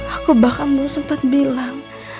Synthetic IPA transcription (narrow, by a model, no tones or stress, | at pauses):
akubakanbusəmpat̪̚bilaŋ